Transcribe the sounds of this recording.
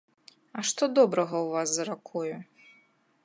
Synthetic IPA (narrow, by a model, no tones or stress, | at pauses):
ɐʂt̪ɔd̪ɔbɾɐɣɐwvaszɐɾakʰɔjʊ